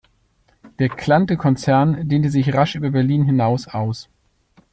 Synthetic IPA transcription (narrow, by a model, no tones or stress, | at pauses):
d̥eːɐkʰl̥antəkʰɔnt͡sɛɐndeːntəzɪçʁaʃʔyːbɐbɛɐliːnɦɪnaʊsʔaʊs